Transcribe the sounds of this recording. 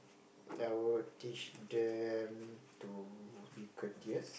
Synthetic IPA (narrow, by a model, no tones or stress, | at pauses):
awutit͡ʃdɛmtubikʰətiəs